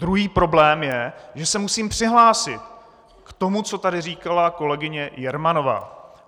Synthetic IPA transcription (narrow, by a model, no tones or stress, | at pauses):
d̪ɾuɦiːpɾo̞blɛːmjɛʒɛsɛmusiːmpr̝̥ɪɦlaːsɪt̪ | kt̪o̞mut͡so̞t̪adɪriːkalako̞lɛɡɪɲɛjɛɾmano̞va̰ː